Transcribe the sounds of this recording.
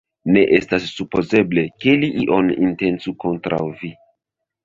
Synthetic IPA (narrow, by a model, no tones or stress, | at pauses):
ne̞ʔestasːupo̞ze̞ble̞ke̞liʔiʔo̞ninte̞nt͡suko̞ntɾa̰wvi